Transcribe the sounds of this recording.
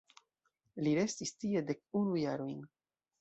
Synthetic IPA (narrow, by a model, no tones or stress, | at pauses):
liɾe̞stistie̞de̞k̚unujaɾojn